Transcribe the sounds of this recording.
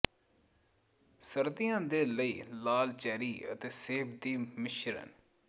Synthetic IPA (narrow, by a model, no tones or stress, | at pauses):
səɾt̪ɪjãːd̪eːləiːlaːlt͡ʃɛːɾiːə̰t̪eːseːbd̪iːmɪʃɾə̰n